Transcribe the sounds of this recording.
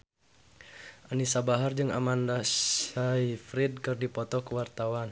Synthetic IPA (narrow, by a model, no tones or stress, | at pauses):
ʔanisabaɦard͡ʒɨŋa̰mandasaifɾid̚kɨrdipɔt̪ɔkəwart̪awan